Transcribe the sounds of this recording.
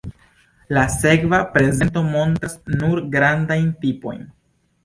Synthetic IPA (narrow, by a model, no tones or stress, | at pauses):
lase̞kvapɾe̞ze̞nto̞mo̞ntasnuɾɡɾandajntipo̞̰jn